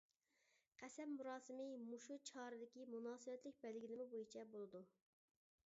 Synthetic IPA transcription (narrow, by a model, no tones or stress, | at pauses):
qʰæsɛmːuɾɑːsɨmɪmuʃut͡ʃʰɑːɾɨd̪ɪkʲimunɑːsɨbɛt̪lɪk̚ʲbɛlɡʲilɪmɪbojit͡ʃʰɛbolˠɨd̪u